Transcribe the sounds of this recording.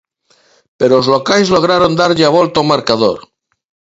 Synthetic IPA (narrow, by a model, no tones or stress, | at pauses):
peɾoozlokajzloɣ̞ɾaɾond̪aɾʎeaβolt̪omaɾkaðo̰ɾ